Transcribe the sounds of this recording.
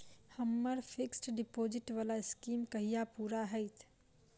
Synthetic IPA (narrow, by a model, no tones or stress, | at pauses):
hɐmːəɾfʰɪksʈɖɪpoːd͡ʒɪʈʋaːlaɪskiːmkɐɦijapuːɾaɦɛjt̪ʰ